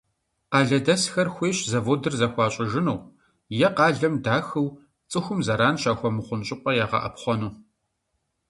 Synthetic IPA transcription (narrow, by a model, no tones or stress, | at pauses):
qɑːɮɐdɐsxɐrxʷeːɕzɐvoːdɨrzɐxʷɑːɕʼɪʒɪnɐw | jɛqɑːɮɐmdaːxɨw | t͡sʼɨxʷʊmzɐɾaːnʃaːxʷɔmɨχʷʊnɕʼɪqʷʼɐjaːʁɐ̰ʔɐ̰pχʷɔnuː